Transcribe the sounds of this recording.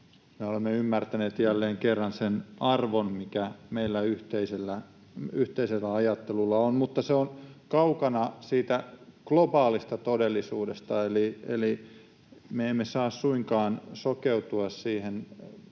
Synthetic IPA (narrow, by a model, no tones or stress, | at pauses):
meolemːeymːært̪æneːt̪jælːeːŋkerːɑnsenɑrʋonmikæmeilːæyht̪eiselːæ | yht̪eiselːæɑjɑt̪ːelulːɑonmut̪ːɑseonkɑukɑnɑsiːt̪æklobɑːlist̪ɑt̪odelːisuːdest̪ɑeliḛli | meemːesɑːssuiŋkɑːnsokeut̪uɑssiːhen